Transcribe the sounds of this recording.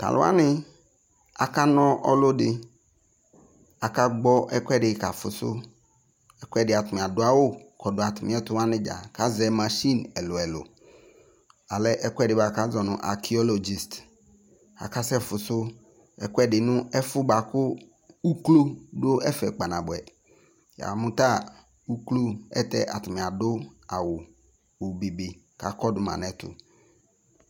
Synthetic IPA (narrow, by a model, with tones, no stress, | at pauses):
t̪a̰˨lʊ̰˨˦a̰˦nɪ˦ | a̰˨ka˦nɔ̃˦ʔɔ̰˦lo˦ɖɪ˨ | a˨ka˦ɡ͡bɔ˦ɛ˦kʷɛ˦ɖɪ˨˦ka˨fʊ̰˨sʊ̰˦ | ɛ˦kʷɛ˦ɖɪ˨a˨t̪ʊ˨mĩ˨a˨dʊ˨˦a˦wo˦kɔ˨dʊ˨a˨t̪ʊ˨mĩ˨˦ɛ˦t̪ʊ˦wa˦nɪ̃˦d͡ʒa̰˨ka˦zɛ˨mã˨ʃi˦nɛ˨lo˨ɛ˨lʊ̰˨ | a˨lɛ˦ʔɛ˦kʷɛ˦˨ɖɪ˨ba˨ka˦zɔ˨nʊ̰̃˨ʔa̰˨kʰi˨ɔ˦lo˨d͡ʒi˨st | a̰˨ka˦sɛ˦fʊ˨sʊ˦ | ɛ˦kʊ˦ɛ˦˨ɖɪ˨nʊ̃˦ɛ˦fʊ˦ba˨kʊ˦ | u˦klo˦do˦ɛ˦fɛ̰˨k͡pa˨nã˨bʊ˨ɛ˨ | ja̰˨mʊ̃˦t̪a˦ | u˦klo˦ɛ̰˦tɛ˦ʔa̰˨tʊ˨mɪ̃˨a˨dʊ˦a˨wʊ˨ | wo˨bi˨bɪ˨ | ka˨kɔ˦dʊ˨mã̰˨nɛ˨˦tʊ̰˨